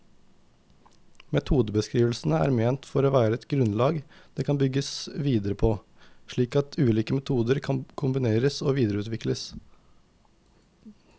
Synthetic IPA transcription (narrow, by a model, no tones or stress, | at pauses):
mɛt̪ʰuːd̪əbəskɾiːʋəl̩sn̩əæ̰ːɾmeːnt̪fɔɾoːʋæːɾəɛt̪ɡɾʉnlɑːɡd̪̥eːkʰɑnbʏɡəsʋiːd̪əɾəpʰoː | ʃɭiːkɑt̪ʰʉːliːkəmɛt̪ʰuːd̪əɾkʰɑnkʰʊmbɪneːɾəsoːʋiːd̪əɾəʉːt̪ʋɪkləs